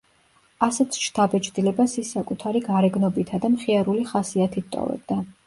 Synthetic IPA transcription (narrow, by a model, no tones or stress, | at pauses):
asɛt̪sʰʃt̪ʰabɛt͡ʃʰd̪ilɛbasisːakʼut̪ʰaɾiɡaɾɛɡnɔbit̪ʰad̪amχiaɾuliχasiat̪ʰit̪t̪ʼɔ̰vɛ̰b̚d̪a